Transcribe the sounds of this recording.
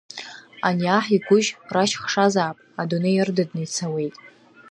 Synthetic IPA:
a̰niaħiɡʷʊʒraʃχʂazaːpʼadonejɪrdadnɨjt͡sʰawe̞jtʼ

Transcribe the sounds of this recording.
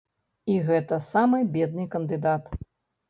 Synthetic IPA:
iɣɛt̪ɐsamɨjbʲɛd̪̚nɨjkɐnd̪ɨd̪at̪

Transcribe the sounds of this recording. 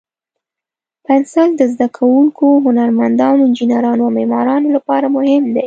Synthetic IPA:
pansald̪əzd̪akʰawuŋkoɦʊnaɾmand̪ɑnoɪnd͡ʒinaɾɑnoawmemɑɾɑnolapɑɾamʊhɪmd̪e

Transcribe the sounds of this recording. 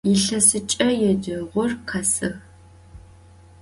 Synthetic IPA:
jɪɬɐsɨt͡ʃʼɐjɛdɨʁʷʊrqʰɐsɨ

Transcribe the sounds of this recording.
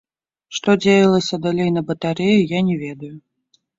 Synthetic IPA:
ʂt̪ɔd͡zʲejɐlˠɐsʲɐd̪alʲejnɐbɐt̪aɾɛjujanʲɛvʲɛd̪ɐju

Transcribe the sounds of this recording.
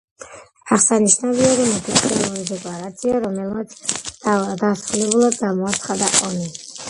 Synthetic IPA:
aχsaniʃnaviɔɾimɛp̪ʰit̪ʰɛlˠuɾid̪ɛkʼlˠaɾat̪sʰiaɾɔmɛlˠmat̪sʰ | d̪asɾulɛbulˠad̪̚ɡaɾmɔat̪sʰχad̪aʔɔni

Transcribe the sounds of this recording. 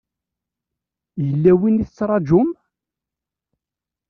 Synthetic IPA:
jəlːæwiniθət͡sːɾˤɑd͡ʒʊm

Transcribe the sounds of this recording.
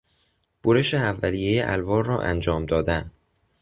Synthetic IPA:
b̥oɾeʃeævːæliːjejeʔæ̰lvɒːɾrɒːʔæ̰nd͡ʒɒːmd̪ɒːd̪æn

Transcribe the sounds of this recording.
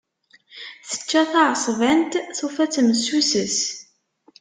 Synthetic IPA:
θə̥t͡ʃːæθaʕsˤvænt̪θufæt͡sːməsusəs

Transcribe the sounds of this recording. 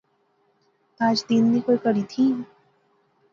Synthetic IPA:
aːd͡ʒd̪iːnːikoːikɐɾit̪ʰiː

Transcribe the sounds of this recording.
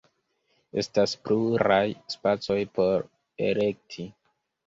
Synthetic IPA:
e̞̰staspluɾajspat͡so̞jpo̞ɾ | ḛle̞k̚tʰi

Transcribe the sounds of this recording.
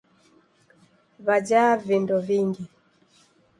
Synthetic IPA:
βad͡ʒavindɔviŋɡi

